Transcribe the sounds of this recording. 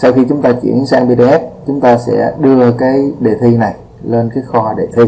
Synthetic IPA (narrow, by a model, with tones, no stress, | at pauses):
sa˧wxi˧t͡ɕʊ˨˦ŋ͡mt̪aː˧t͡ɕwḭ˧˩˨ənsaː˧ŋɓi˧ɛ˦˥p̚t͡ɕʊ˨˦ŋ͡mt̪aː˧sɛ̰˧˥ɗɨ˧əkaː˨˦jɗe˨˩t̪ʰi˧na˨˩j | le˧nkaː˨˦jxɔ˧ha˨˩ɗe˨˩t̪ʰi˧